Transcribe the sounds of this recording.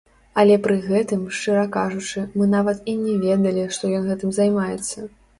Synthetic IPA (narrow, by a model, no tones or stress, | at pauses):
ɐlʲɛpɾɨɣɛt̪ɨmʂt͡ʂɨɾɐkaʐut͡ʂɨmɨnavɐt̪inʲɛvʲɛd̪ɐlʲiʂt̪ɔjɔnɣɛt̪ɨmzajmajɛt̪sːɐ